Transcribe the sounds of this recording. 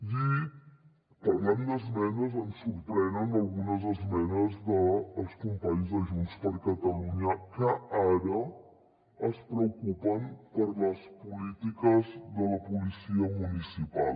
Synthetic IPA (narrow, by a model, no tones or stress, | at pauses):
i | pəɾlɛmd̪əzmɛnəzənsuɾpɾɛnənəlˠɣunəzəzmɛnəzðəːlˠskumpaɲzðəʒunspəɾkət̪əluɲəkəaɾə | əspɾəwkupəmpəɾləspulit̪ikəzðələpulisiəmunisipa̰l